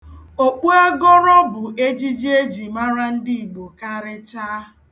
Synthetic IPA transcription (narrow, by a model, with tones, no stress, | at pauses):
o˦k͡pu˦a˦ɡɔ˦ɾɔ˦bʊ˨ʔe˦d͡ʒi˦d͡ʒi˦e˦d͡ʒi˨ma˦ɾa˦n̩˦dɪ˦i˨ɡ͡bo˨ka˦ɾɪ˦t͡ʃaː˦˨